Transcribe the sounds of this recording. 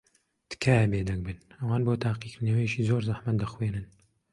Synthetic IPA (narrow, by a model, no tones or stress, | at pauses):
t̪ɨ̥kʰajɛbeːd̪ɐɡ̚bɨnɐwaːnboːt̪ʰaːqikɾnɐweʃiːzoːɾzaħmɐt̪̚d̪ɐxweːnɨn